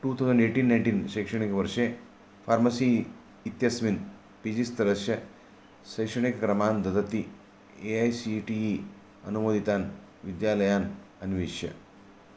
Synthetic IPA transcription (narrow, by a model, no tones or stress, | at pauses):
ʈuːt̪ʰɐwzɐɳɖeːʈiːnːɐjɳʈinʃekʂɐɳikeʋɐɾʂeː | fʰaːɾmɐsiː | t̪jɐsmin | pid͡ʒist̪ɐɾɐʃjɐ | sɐjkʂɐɳ̃ikɐkɾɐmaːnd̪ɐd̪ɐt̪i | eajsiʈii | ɐ̰numoːd̪ʱit̪aːn | ʋid̪jaːlɐjaːn | ɐnʋiːʃjɐ̰